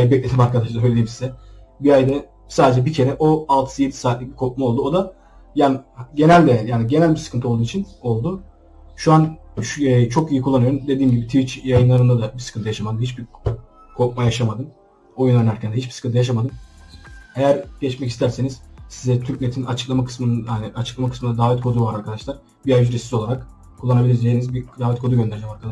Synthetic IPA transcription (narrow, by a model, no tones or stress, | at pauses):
abɛclʲed̪imaɾkʰad̪aʃlˠaɾøjlʲeimsizɛ | biajd̪ɛ | saːd̪e̞d͡ʒɛbicʰe̞ɾɛʔoalˠt̪ʰɯ̥sɯje̞t̪ʰi̥saːt̪lʲic̚bikʰo̞k̚mao̞lˠd̪uo̞d̪a | janɟe̞nælʲd̪ɛjaːniɟe̞nælʲbiɾsɨ̥kʰɯnt̪ʰɯolˠd̪uːnit͡ʃʰino̞lˠd̪ʊ | ʃuanʃt͡ʃʰo̞kijikulˠːanɯjoɾumd̪e̞d̪iːmɟibit̪ʰivit͡ʃjajɯnlˠaɾɯnd̪ad̪abisɨ̥kʰɯnɯjaʃamad̪ɯmhit͡ʃbiɾ | kʰo̞k̚majaʃamad̪ɯn | o̞junˠanæɾcʰænd̪ɛɦit͡ʃbiskʰɯnt̪ʰɯjaʃ̬amad̪ɯn | ejæɾɟɛt͡ʃmɛcist̪ʰæɾse̞niz̥sizɛt̪ʰyɾcmet̪ʰinat͡ʃʰɯ̥klˠamakʰɯ̥smɯnaniat͡ʃʰɯ̥klˠamakʰɯ̥smɯnd̪ad̪aːvɛt̪̚kʰo̞d̪uvaɾaɾkʰad̪aʃlˠaɾ̥ | biajd͡ʒyɾɛsizo̞lˠaɾak | kʰulˠːanabilʲiɾd̪einizbid̪aːvɛt̪kʰo̞d̪uɡønd̪eɾd͡ʒɛmaɾkʰad̪a